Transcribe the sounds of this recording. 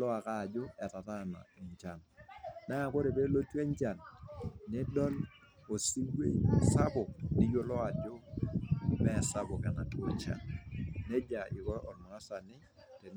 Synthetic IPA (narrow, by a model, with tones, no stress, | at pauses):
lɔ˦a˨kaː˦˨d͡ʒo˦ɛ˨ta˨ta˦˨na̰˨i˨ɲt͡ʃa˨nnaː˦˨ko˦ɾe˨be˦lo˦te˦ɲ˦t͡ʃa˨nnɪ˦dɔ˦l | o˨si˦ɡwḛ˦sa˦bɔ˨nɪ˦jo˦lɔ˦a˨d͡ʒo˦ | mɛ˦˨sa˦bɔ˨kɛ˨na˨to˦t͡ʃa̰˨nne˦d͡ʒa˨ʔɪ˨kɔ˦ɾɔ˨nɔ˨ŋa˦sa˨nɪ˦ | te˨n